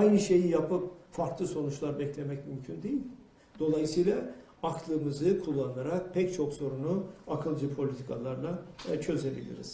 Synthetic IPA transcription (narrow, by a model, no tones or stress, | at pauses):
ajnɯʃe̞jijapʰɯp̚faɾklˠɯso̞nut͡ʃlˠaɾbɛclʲe̞mɛcmymcʰynd̪ejilʲ | d̪̥o̞lˠajɯsɯjlˠa | akʰlˠɯmɯzɯkʰulˠːanaɾak̚pʰɛct͡ʃʰo̞kso̞ɾunuakʰɯlˠd͡ʒɯpʰo̞lʲit̪ʰikʰalˠaɾlˠat͡ʃʰø̞ze̞bḭlʲḭɾḭz̥